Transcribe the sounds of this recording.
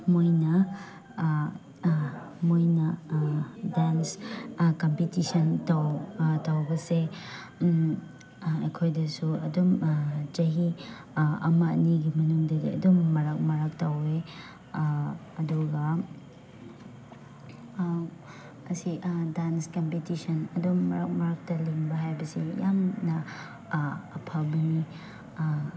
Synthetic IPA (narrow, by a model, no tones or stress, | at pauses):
mojnɐ | mojnɐ | danskɐmpitisɐntawtawbɐse | ɐjkʰojdɐsuɐdumd͡ʒɐɦi | ɐ̰mɐniɡimɐnuŋdɐdiɐ̰dumːɐɾɐk̚mɐɾɐk̚tawe | ɐduɡɐ | ɐsidanskɐmpetisɐnɐdomːɐɾɐk̚mɐɾɐk̚tɐleŋbɐɦajbɐsijamnɐ | pʰalbɐni